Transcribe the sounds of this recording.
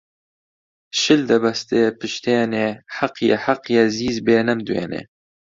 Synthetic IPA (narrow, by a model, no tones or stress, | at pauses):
ʃɨld̪ɐbɐst̪eːpɨʃt̪ʰeːneːħaqjɛħaqjɛziːzbeːnɐmd̪uḛːnḛː